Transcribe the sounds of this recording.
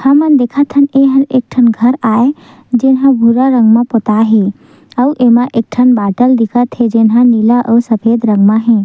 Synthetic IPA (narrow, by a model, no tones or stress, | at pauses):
hãmənd̪ekʰat̪ʰəneɦənek̚ʈʰənɡʱəɾae | d͡ʒenɦãbʱuɾaɾəŋɡmãpɔt̪aɦe | əwʔemaʔek̚ʈʰənbaʈəld̪ikʰat̪ʰed͡ʒenɦãnilaʔəwsəpʰed̪ɾə̃ŋɡmaɦẽ